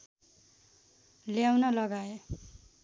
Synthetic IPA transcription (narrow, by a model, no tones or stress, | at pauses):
ljawnʌlʌɡae